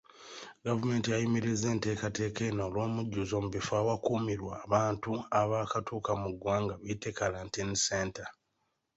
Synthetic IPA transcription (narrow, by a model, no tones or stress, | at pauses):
ɡavume̞ːntijajimiɾize̞ːnte̞ːkate̞ːke̞noːlo̞ːmuɟːuzoːmuβifaːwakuːmiɾwaːβaːntuaβaːkatʰuːkamuɡwaːŋɡaβiːtʰe̞kaɾantinseːnta